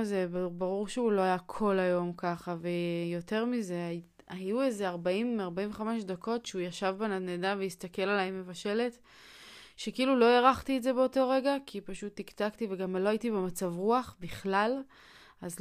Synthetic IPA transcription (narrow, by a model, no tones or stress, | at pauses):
zebbaʁuʁʃeulo̞ajakʰo̞lajo̞mkaχave̞jo̞te̞ʁmize̞a | ajuezeaʁbaimaʁbaĩɱveχameʃdakʰo̞tʃeujaʃavbananedaveistake̞lalaemːevaʃe̞le̞t | ʃekeilulo̞eʁaχtietze̞be̞oto̞ʁe̞ɡakʰipaʃut̪ːiktaktiveɡamlo̞ajitibemat͡savʁuaχbiχlal | az